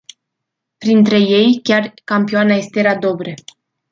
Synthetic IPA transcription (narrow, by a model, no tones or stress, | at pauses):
pɾint̪ɾe̞je̞jkʲarkampioanaje̞st̪e̞ɾad̪o̞bɾe